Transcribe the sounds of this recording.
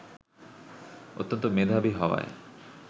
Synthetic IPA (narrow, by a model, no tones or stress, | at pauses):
o̰t̪ːont̪omed̪ʱabiɦɔwa̰e